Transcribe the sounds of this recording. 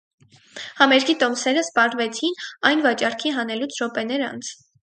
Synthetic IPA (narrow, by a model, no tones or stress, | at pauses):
hɑmɛɾkʰit̪ɔmsɛɾəspɑnvɛt͡sʰinɑjnvɑt͡ʃɑrkʰiɦɑnɛlut͡sʰɾɔpɛnɛɾɑ̰nt͡sʰ